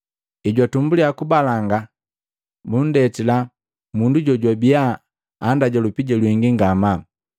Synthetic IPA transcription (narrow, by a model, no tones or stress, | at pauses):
iɟwatumbuliakubalaŋɡa | bun̩dɛtila | munduɟɔɟwabijaː | ndaɟalupiɟalwiŋɡiŋɡama